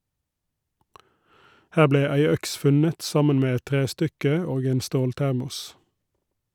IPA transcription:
ˈhæː ˈbleː ˈæɪ ˈœks ˈfʉnət ˈsɑmən ˈmeː ˈɛt ˈtʁeːˌstʏkə ˈoːɡ ˈeːn ˈstoːlˌtæʁmʊs

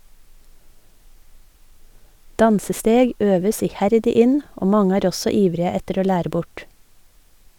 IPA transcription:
ˈdɑnsəˌsteːɡ ˈøːʋəs ɪˈhæɾdɪ ˈɪn ˈoː ˈmɑŋə ˈæːɾ ˈɔsɔ ˈiːʋɾɪə ˈɛtəɾ ˈoː ˈlæːɾə ˈbʊʈ

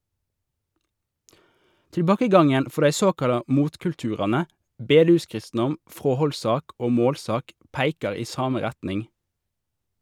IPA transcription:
tɪlˈbɑːkəˌɡɑŋən ˈfɔʁ ˈdæɪ ˈsoːkɑlɑ ˈmuːtkʉlˌtʉːʁɑnə ˈbeːˌdʉːˌskʁɪstn̩ɔm ˈfʁoːhɔlˌsɑːk ˈoː ˈmoːlˌsɑːk ˈpæɪkɑʁ ˈiː ˈsɑːmə ˈʁɛtnɪŋ

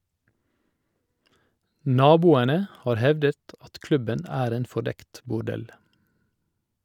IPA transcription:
ˈnɑːbuːənə ˈhɑːɾ ˈhɛʋdət ˈɑt ˈklʉbən ˈæːɾ ˈeːn fɔˈɖɛkt bʊˈɖɛl

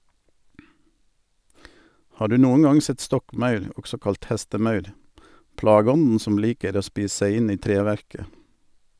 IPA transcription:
ˈhɑː ˈɖʉː ˈnuːən ˈɑŋ ˈsɛt ˈstɔkˌmɑʉɾ ˈɔɡsɔ ˈkɑlt ˈhɛstəˌmɑʉɾ ˈplɑːɡəˌɔnn̩ ˈsɔm ˈliːkəɾ ˈoː ˈspiːs ˈsæɪ ˈɪn ˈiː ˈtɾeːˌʋæɾkə

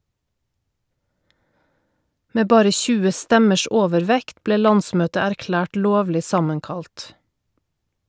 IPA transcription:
ˈmeː ˈbɑːɾə ˈçʉːə ˈstɛməʃ ˈoːʋəɾˌʋɛkt ˈbleː ˈlɑnˌsmøːtə æɾˈklæːʈ ˈloːʋlɪ ˈsɑməŋˌkɑlt

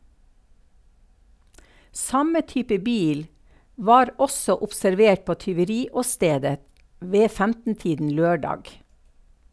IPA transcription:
ˈsɑmə ˈtyːpə ˈbiːl ˈʋɑːɾ ˈɔsɔ ʊpsæɾˈʋeːʈ ˈpoː tʏʋəˈɾiːɔˌsteːdə ˈʋeː ˈfæmtn̩ˌtiːdn̩ ˈløːˌɖɑːɡ

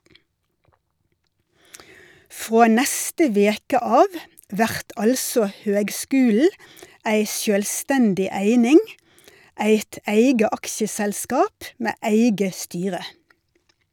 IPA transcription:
ˈfʁoː ˈnɛstə ˈʋeːkə ˈɑːʋ ˈʋæʁt ˈʔɑlsɔ ˈhøːɡˌskʉːl̩ə ˈæɪ ˈʃjøːlˌstɛndɪ ˈæɪnɪŋ ˈæɪt ˈæɪɡə ˈɑksəsɛlˌskɑːp ˈmeː ˈæɪɡə ˈstyːʁə

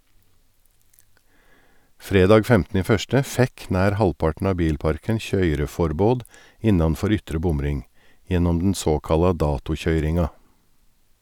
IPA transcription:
ˈfɾeːdɑːɡ ˈfɛmtnə ˈiː ˈfœstə ˈfɛk ˈnæːɾ ˈhɑlpɑʈn̩ ˈɑː ˈbiːlˌpɑɾkən ˈçœʏɾəˌfɔɾboːd ˈɪnɑnˌfɔɾ ˈʏtɾə ˈbʊmˌɾɪŋ ˈjɛnɔm dn̩ ˈsoːkɑlɑ ˈdɑːtʊˌçœʏɾɪŋɑ

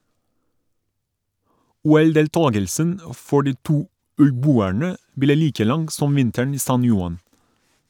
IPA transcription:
ˈuːɛldeːlˌtɑːɡəlsən ə ˈfɔ ˈɖiː ˈtuː ʉlˈbuːæɳə ˈbleː ˈliːkə ˈlɑŋɡ ˈsɔm ˈʋɪntəɳ ˈiː ˈsɑn ˈjʊɑn

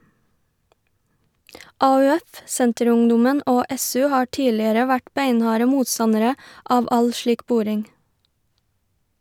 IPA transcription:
ɑʉˈɛf ˈsɛntəˌɾʊŋˌdʊmən ˈoː ˈɛˌsʉː ˈhɑː ˈʈiːlɪəɾə ˈʋæʈ ˈbæɪnˌhɑːɾə ˈmuːtˌsɑnəɾə ˈɑːʋ ˈɑl ˈʃɭiːk ˈbʊɾɪŋ

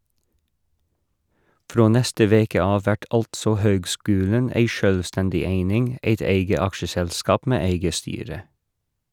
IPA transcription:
ˈfɾoː ˈnɛstə ˈʋeːkə ˈɑːʋ ˈʋæʈ ˈɑltsɔ ˈhøːɡˌskʉːlən ˈæɪ ˈʃœlˌstɛndɪ ˈeɪnɪŋ ˈeɪt ˈeɪɡə ˈɑkʃəˌsɛlˌskɑːp ˈmeː ˈæɪɡə ˈstyːɾə

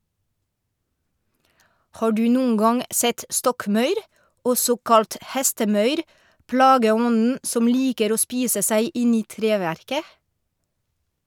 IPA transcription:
ˈhɑː ˈɖʉː ˈnuːn̩ ˈɡɑŋ ˈsɛt ˈstɔkˌmɑʉɾ ˈɔsɔ ˈkɑlt ˈhɛstəˌmœʏɾ ˈpɽɑːɡəˌɔnn̩ ˈsɔm ˈliːkəɾ ˈoː ˈspiːsə ˈsæɪ ˈɪn ˈiː ˈtɾeːʋæɾkə

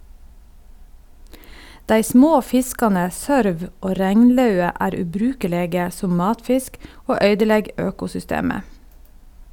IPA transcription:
ˈdæɪ ˈsmoː ˈfɪskɑnə ˈsœɾʋ ˈoː ˈɾɛŋnˌlɑʉə ˈæːɾ ʉːˈbɾʉːkəˌleːɡə ˈsʊm ˈmɑːtˌfɪsk ˈoː ˈœʏdəˌlɛɡ ˈøːkʊsʏˌsteːmə

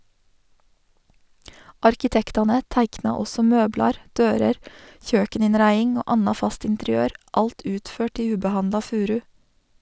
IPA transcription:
ˈɑɾkɪtɛktɑnə ˈtæɪknɑ ˈɔsɔ ˈmøːblɑɾ ˈdøːɾəɾ ˈçøːkəˌnɪnɾæɪɪŋ ˈoː ˈɑnɑ ˈfɑst ɪntɛɾɪˈøːɾ ˈɑlt ˈʉːtˌføːʈ ˈiː ˈʉːbəˌhɑndlɑ ˈfʉːɾʉ

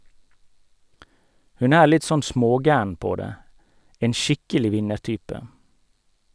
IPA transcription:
ˈhʉn ˈæːɾ ˈlɪt ˈsɔn ˈsmoːˌɡæːɳ ˈpoː ˈdeː ˈeːn ˈʃɪkəlɪ ˈʋɪnəˌʈyːpə

